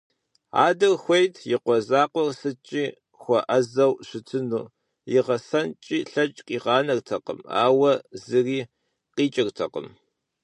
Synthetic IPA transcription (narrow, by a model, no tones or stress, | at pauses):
a̰ːdɨrxʷejtʰjɪqʷɔzaːqʷɔrsɨt͡ʃʼiː | xʷɔʔɐzɐwɕɪtʰɨnuː | jɪʁɐsɐnt͡ʃʼiːɬɐt͡ʃʼqʼiːʁɑːnɐrtʰɐqə̰ma̰ːwɐzɨriː | qiːt͡ʃʼɪrtʰɐqə̰m